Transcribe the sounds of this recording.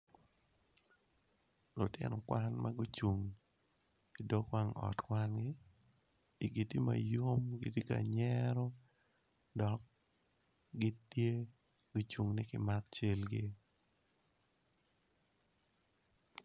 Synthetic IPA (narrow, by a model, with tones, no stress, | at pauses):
lʊ˨tɪ̰˦nɔ˨kwa˦nma˦ɡʊ˦t͡ʃu˨ŋ | i˨do˦kwa˦ŋɔ̰˨tkwa˦nɡɪː˦˨ | ɡi˨ti˦ma̰˨jo˦mɡi˨ti˦ka̰˨ɲɛɾɔ˦ | dɔ˨k̚ | ɡɪ˦tːje˦ | ɡ̥ʊ˦t͡ʃu˨ŋnɪ˦kɪ˨ma˦kt͡ʃe˦lɡɪ˦